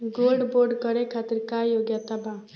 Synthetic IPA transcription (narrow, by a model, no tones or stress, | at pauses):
ɡolɖboɾɖkʌɾekʰat̪iɾkajoɡjat̪aba